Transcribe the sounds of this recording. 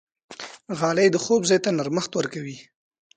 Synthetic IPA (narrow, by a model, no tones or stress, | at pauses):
ɣɑlajd̪əxobzɑjt̪anaɾməxt̪wəɾkawi